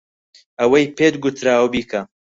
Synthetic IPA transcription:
ɐwɐjpʰeːt̪ɡʊt̪ʰɾaːwbiːkʰɐ

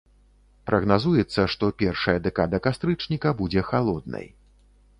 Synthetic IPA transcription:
pɾʔɐɣnazujɛt̪sːɐʂt̪ɔpʲɛrʂɐjɐd̪ɛkad̪ɐkast̪ɾɨt͡ʂnʲikɐbud͡zʲɛxalˠɔd̪̚nɐ̰j

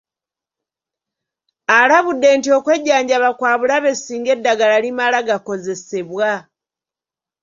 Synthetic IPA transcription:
alaβudːe̞ːntio̞kwe̞ɟːaːɲɟaβakwaːβulaβe̞siːŋɡe̞dːaɡalalimalaɡako̞ze̞se̞βwa

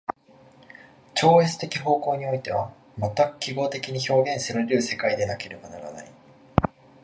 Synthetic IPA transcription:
t͡ɕo̞ːe̞t͡sɨ̥t̪e̞kʲiɦo̞ːko̞ːɲ̟io̞it̪e̞β̞a | mat̪ːakɯ̥kʲiɡo̞ːt̪e̞kʲiɲ̟iço̞ːɡẽ̞ɰ̃seɾɯɾɯ̟ɯse̞kaid̪e̞nake̞ɾe̞banaɾa̰na̰i

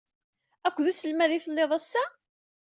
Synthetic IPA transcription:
ækʷːðusəlmæðiθəlːeðˤæsːæ

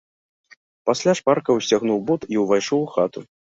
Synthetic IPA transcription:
pasʲlʲaʂparkɐwsʲaɣnuwbut̪iwvajʂɔwxat̪u

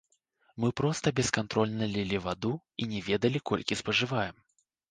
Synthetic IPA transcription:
mɨpɾɔst̪ɐbʲɛskant̪ɾɔlʲnɐlʲɛlʲivad̪u | inʲɛvʲɛd̪ɐlʲikɔ̰lʲkʲispɐʐɨvajɛm

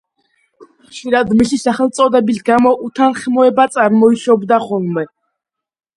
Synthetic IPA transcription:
χʃiɾad̪misisaχɛlˠt̪sʼɔd̪ɛbisɡamɔʔut̪ʰanχmɔɛbat̪sʼaɾmɔiʃɔbd̪aχɔlˠmɛ

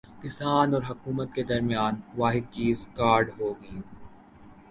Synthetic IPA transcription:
kɪsaːnɔːɾɦɐkuːmət̪̚ked̪ɐɾmijaːnʋaːɦɪd̪̚t͡ʃiːzkaːɾɖɦoːɡɐĩː

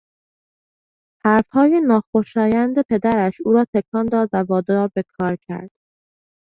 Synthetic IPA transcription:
hæɾfhɒːjenɒːxoʃɒːjænd̪e̞pʰe̞d̪æɾæʃuːɾɒːt̪ʰe̞kʰɒːnd̪ɒːd̪vævɒːd̪ɒːɾbe̞kʰɒːɾcʰæ̰ɾd̪̥

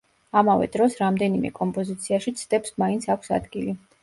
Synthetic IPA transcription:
amavɛ̰d̪ɾɔsɾamd̪ɛnimɛ̰kʼɔmpʼɔzit̪sʰiaʃit̪sʰd̪̥ɛpsmaint̪sʰakʷʰsa̰d̪ɡili

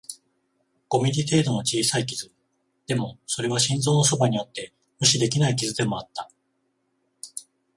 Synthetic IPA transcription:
ɡ̥o̞mʲiɾʲit̪e̞ːd̪o̞no̞t͡ɕiːsaikʲizɨ | d̪̥e̞mo̞so̞ɾe̞β̞aɕĩnzo̞ːno̞so̞baɲ̟ijo̞t̪ːe̞ | mɯ̟ɕid̪e̞kʲinaik̬ʲizɨd̪e̞mo̞at̪ːa

